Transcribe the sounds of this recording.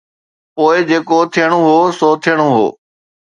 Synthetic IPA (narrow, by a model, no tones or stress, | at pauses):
poːɪd͡ʑeːkot̪ʰijəɽ̃oɦoːsoːt̪ʰijəɽ̃oɦo̰ː